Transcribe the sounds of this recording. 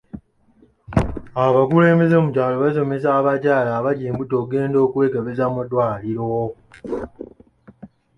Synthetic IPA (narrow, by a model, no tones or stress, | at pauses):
aβakule̞ːmbe̞zemucaːloβas̬o̞me̞s̬aːβacaːlaːβaɟeːmbutoːɡe̞ːndo̞ːkuwe̞ːkeβezamadwaːliɾo